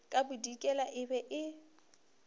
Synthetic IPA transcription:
kʼabʊdikʼɛlaʔɪbɛʔɪ

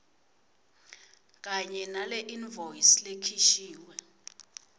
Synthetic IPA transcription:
k̬ʼaɲɛnalɛʔinvʱojislekʰiʃiːwɛ

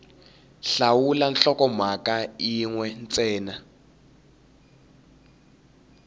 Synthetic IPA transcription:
ɬawulanɬɔkɔmwakaiŋwɛnt͡sʼɛːna

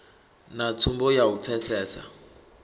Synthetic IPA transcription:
nat͡sʰumbɔjawupfʰɛsɛːsa̰

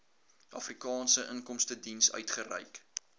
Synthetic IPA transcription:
ʔɐfrikɑːnsəʔəŋkɔmstədinsœ̰ɥtχərɛ̰jk

